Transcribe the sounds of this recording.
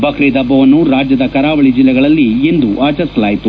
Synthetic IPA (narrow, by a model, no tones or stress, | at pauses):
bʱɐkʰɾiːd̪ɐbːɐʋɐnːuɾaːd͡ʒjɐd̪ɐkɐɾaːʋɐɭid͡ʒilːɛɡɐɭɐlːiːnd̪uʔaːt͡ʃɐɾsɐlaːjit̪u